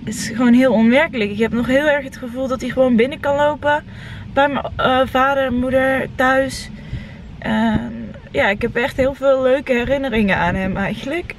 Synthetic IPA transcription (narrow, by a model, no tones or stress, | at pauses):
ɪtɪ̥sχʋoːnɦɪːlˠɔnmɛɹkələkɪkɦɛpnɔχɦɪːlˠɛɹxɦətχəvulˠdɑtiχəʋownbɪnəkɑnlowpə | b̥ɛjmːvaːdəɹmudəɹtœɥs | ʔɛn | jaːɪkɦɛpɛxtɦɪːlˠvɪːlˠːøɥkəɦɛrɪnərɪŋənaːnɦɛmɛjɣənlək